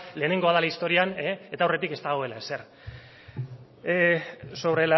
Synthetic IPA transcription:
le̞ːne̞ŋɡo̞að̞alaist̪o̞ɾianeet̪awre̞t̪ike̞st̪aɣoe̞laese̞ɾ | so̞βɾela

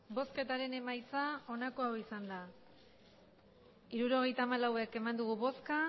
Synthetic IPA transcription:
bo̞ske̞t̪aɾe̞ne̞majt͡sao̞nako̞awisand̪a | iɾuɾo̞ɣ̞e̞jt̪aːmalawe̞ke̞mand̪uɣ̞uβo̞ska

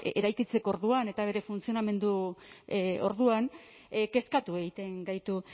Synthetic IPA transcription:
eɾajkit͡se̞koɾðuane̞t̪aβ̞e̞ɾe̞funt͡sio̞name̞nd̪u | o̞̰ɾðuan | ke̞skat̪ue̞ɣit̪e̞ŋɡajt̪u

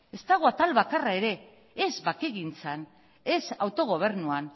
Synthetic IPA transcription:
e̞st̪aɣ̞oat̪alβakarae̞ɾe̞ː | zβake̞ɣint͡san | e̞sawt̪o̞ɣ̞o̞β̞e̞ɾnuan

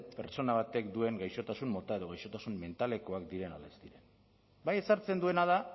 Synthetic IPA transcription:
peɾt͡so̞naβ̞at̪e̞kd̪ue̞ŋɡajʃo̞t̪asunmo̞t̪ae̞ð̞o̞ɣ̞ajʃo̞t̪asumme̞nt̪ale̞ko̞akd̪iɾe̞na̰le̞st̪iɾe̞n | baje̞saɾt͡se̞nd̪ue̞nað̞a

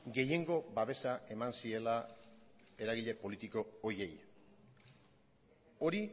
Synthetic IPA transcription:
ɡe̞je̞ŋɡo̞baβ̞e̞saʔe̞mansie̞la | e̞ɾaɣiʎe̞po̞lit̪iko̞ːje̞j | o̞ɾi

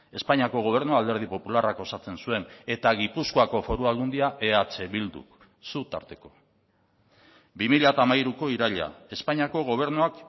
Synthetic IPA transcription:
e̞spaɲiako̞ɣ̞o̞β̞e̞ɾnuald̪e̞ɾð̞ipo̞pularako̞sat͡se̞nsue̞ne̞t̪aɣipuskoako̞fo̞ɾualɣund̪iaʔe̞at͡se̞βild̪ṵk | sut̪a̰ɾt̪e̞̥ko̞ | bimiʎat̪amajɾuko̞iɾaʎa̰e̞spaɲiako̞ɣo̞β̞e̞ɾnuak

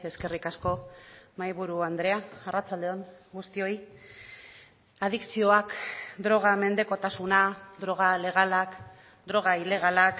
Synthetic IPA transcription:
e̞ske̞rikasko̞majβuɾuand̪ɾe̞aːrat͡sald̪eoŋɡust̪io̞j | að̞iksio̞akd̪ɾo̞ɣ̞ame̞nd̪e̞ko̞t̪asunad̪ɾo̞ɣ̞ale̞ɣ̞alak | d̪ɾo̞ɣ̞aile̞ɣ̞alak

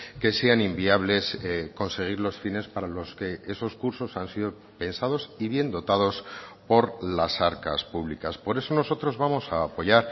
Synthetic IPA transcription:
ke̞seanimbiaβle̞sko̞nse̞ɣ̞iɾlo̞sfine̞spaɾalo̞ske̞e̞so̞skuɾso̞sansiðo̞ | pe̞nsað̞o̞siβje̞nd̪o̞t̪aðo̞spo̞ɾlasaɾka̰spuβlikaspo̞ɾe̞so̞no̞so̞t̪ɾo̞zβamo̞saːpo̞ʝaɾ

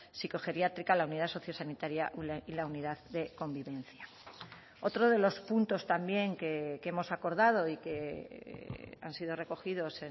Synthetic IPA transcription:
siko̞xe̞ɾjat̪ɾikalaunið̞aso̞θjo̞sanit̪aɾjaʔilauniðaððe̞ko̞mbiβẽ̞n̟θja | o̞t̪ɾoðe̞lo̞spunt̪o̞st̪ambje̞ŋkekeemo̞sakoɾðað̞o̞ike̞ | a̰nsið̞o̞re̞ko̞xiðo̞se

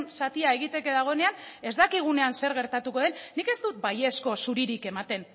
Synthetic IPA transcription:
nsat̪iae̞ɣ̞it̪e̞ke̞ðaɣ̞o̞e̞ne̞ane̞zd̪akiɣ̞une̞anse̞ɾɣe̞ɾt̪at̪uko̞ð̞e̞nnːike̞zt̪ut̪̚baje̞sko̞suɾiɾike̞mat̪e̞n

